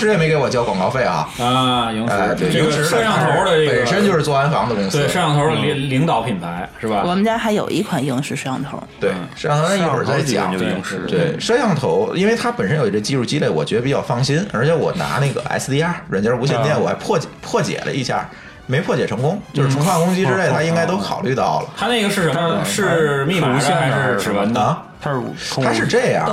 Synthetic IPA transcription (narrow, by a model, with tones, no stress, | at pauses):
ʂɻ̩˥jɛ˨˩me˧˥ɪke˧˥wɔ˨˩t͡ɕjɑ˥ʊkwɑ˨˩ŋkɑ˥˧ʊfe˥˩ɪxɐ̰˧˩˧ | a̰˥˧t̪ɻ̩˥ʂə˥ɑ˥˩t̪ʰo˥˧˥ʊdə˧˥˩ə˨˩ʂə˥nt͡ɕjo˥˧ʊʂɻ̩˥˩t͡swɔ˥˧˩a˥nfɑ˧˥ŋd̪ə˧kʊ˥ŋse˥˩ʂə˥jɑ˥˩ŋt̪ʰo˧ʊ˥li˧˥ŋt̪ɑ˨˩ʊpʰi˨˩npʰa˧˥ɪʂɻ̩˥˩bɐ˩wɔ˨˩mə˦˥t͡ɕja˥xa˧˥ɪjo˨˩ʊʔḭ˧˥kʰwa˨˩nji˥˧ŋʂɻ̩˥˩ʂ̩˥jɑ˥˧ŋt̪ʰo̰˧˥ʊt̪we˥˩ɪʂjŋt̪ʰo˥˩˧wə̰˞˨˩t͡sa˥˧˩ɪt͡ɕjɑ̰˨˩˦t̪we˥˩ɪʂə˥jɑ˥˩ŋt̪ʰo˧˥ʊi˥nwe˥˩ɪt̪ʰa˥pə˨˩nʂə˥njo˨˩ʊ˩i˧˥ɡə˧t͡ɕi˥˧ɻu˥˩t͡ɕi˥le˥˩ɪwɔ˨˩t͡ɕɥɛ˧˥ə˧pi˨˩t͡ɕjɑ˥˧ʊfɑ˥˩ŋɕi˥nə˞˧˥t͡ɕʰɛ˧˥wɔ̰˨˩na̰˧˥na˥˩ɡə̰˩ʔa̰˧˥s̩˥t̪i˥a˥ɻə˧˥nt͡ɕjɑ˥u˧˥ɕ̬jɛ˥˧nt̪jɛ˥˩wɔ˨˩xɪpʰwɔ˥˩t͡ɕpʰwɔ˥˩t͡ɕjɛ̰˨˩lʔə̰˦i˥˧˩ɕja̰˥˩ | me˧˥ɪpʰwɔ˥˩t͡ɕjɛ˨˩ʈ͡ʂʰɤ˧˥ŋkʊ˥ŋt͡ɕjo˥˧ʊʂ̩˧˥t͡sʰŋkʰɑ˥˩ŋkʊ˥ŋt͡ɕi˥ʈ͡ʂɻ̩˥e˥˩ɪt̪ʰa˥i˥ŋka˥ɪt̪o˥ʊxʰɑ˨˩ʊly˥˧t̪ɑ˥˩ʊlə˩t̪ʰa˥na˥˩ɪɡə˩ʂɻ̩˥˩ə˧˥ʂɻ̩˥˧mi˥˩˧ɛ˥˩˥ʈ͡ʂɻ̩˨˩wə˧˥nʰ˧˩ | a˥ʂt̪ʰa˥ʂɻ̩˥˧ʈ͡ʂe˥˩ɪɐ̰˩